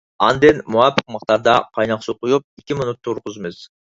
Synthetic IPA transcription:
ɑ̰nd̪enmuɑpɪ̥qmɑqt̪ɑɾd̪ɑqʰɑjnɑqsuqʰujup̚ekʲiminut̪ʰːuɾqʊzmɪz̥

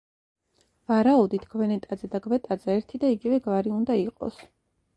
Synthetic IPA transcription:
vaɾauvd̪it̪ʰɡ̥vɛnɛt̪ʼad̪zɛd̪aɡvɛt̪ʼad̪zɛːɾt̪ʰid̪aiɡivɛɡvaɾiund̪aiqʼɔ̰s

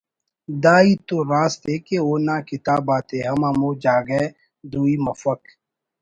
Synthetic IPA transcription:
d̪aːiːt̪oːɾaːst̪eːkeoːnãːkɪt̪aːbaːt̪eːɦɐmãːmoːd͡ʒaːɡeː | d̪uːiːmɐfək

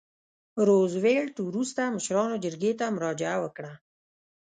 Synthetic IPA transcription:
ɾozweɭt̪wɾust̪aməʃɾɑnod͡ʒəɾɡet̪amʊɾɑd͡ʒɪawəkɽa

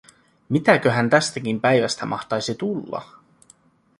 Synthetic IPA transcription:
mit̪æk̟øɦænt̪æst̪ækimpæjʋæst̪æmʔɑ̰xt̪ɑjsit̪ulːɑ̰

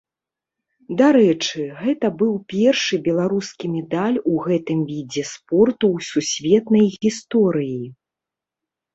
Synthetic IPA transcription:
d̪aɾɛt͡ʂɨɣɛt̪ɐbɨwpʲɛrʂɨbʲɛlˠaɾuskʲimʲɛd̪alʲuɣɛt̪ɨmvʲid͡zʲɛspɔrt̪uwsusʲvʲɛt̪nɐjɣʲist̪ɔɾɨji

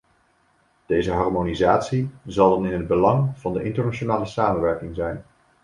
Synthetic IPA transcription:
d̥ejzəɦɑɹmonizaːtsizɑlˠdɑnɪnɦəd̚bəlɑŋv̥ɑndəʔɪntəɹnat͡ʃonaːləsaːmənʋɛɹkɪŋzɛjn

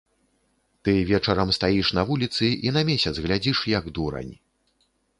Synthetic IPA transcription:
t̪ɨvʲɛt͡ʂɐɾɐmst̪ajiʂn̪ɐvulʲit̪sɨʔinɐmʲɛsʲɐd̪zɣlʲad͡zʲiʂjɐɡd̪uɾɐ̰nʲ

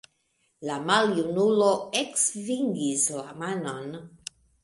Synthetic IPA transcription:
lamaljunuloeksviŋɡislamanon

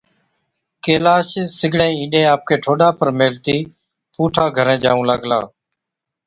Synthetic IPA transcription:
keːlaːʃsɪɡʱɽẽːĩːnɗẽːaːp̚kʰeːʈʰoːɗaːpəɾmeːlt̪iː | puːʈʰaːɡʱəɾẽːd͡ʒaːʋũːlaːɡla̰ː

